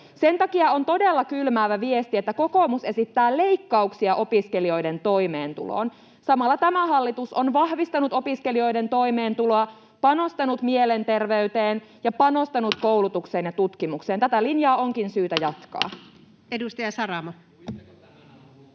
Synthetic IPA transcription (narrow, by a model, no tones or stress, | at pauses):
se̞nt̪ɑkiɑont̪o̞delːɑkylmæːʋæʋiest̪iet̪ːæko̞ko̞ːmuse̞sit̪ːæːle̞ikːɑuksiɑʔo̞piskelio̞jde̞nt̪o̞jme̞ːnt̪ṵlo̰ːn | sɑmɑlːɑt̪æmæhɑlːit̪uso̞nʋɑhʋist̪ɑnut̪opiskelio̞jde̞nt̪o̞ime̞ːnt̪uloɑ | pɑno̞st̪ɑnut̪mielent̪e̞rʋe̞yt̪eːn | jɑpɑno̞st̪ɑnut̪ko̞wlut̪ukseːnjɑt̪ut̪kimukseːnt̪æt̪ælinjɑːo̞ŋkinsyːt̪æjɑt̪kɑ̰ː | edust̪ɑjɑsɑɾɑmɑ